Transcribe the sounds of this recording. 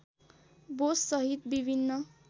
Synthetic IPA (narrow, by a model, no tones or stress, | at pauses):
bossʌɦit̪bibʱinːʌ